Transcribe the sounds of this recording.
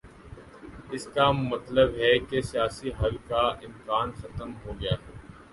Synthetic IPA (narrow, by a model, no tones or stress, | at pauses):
ɪskamɐt̪ləbɦɛkesijaːsiɦɐlkaɪmkaːnxɐt̪əmɦoːɡɐjaːɦɛː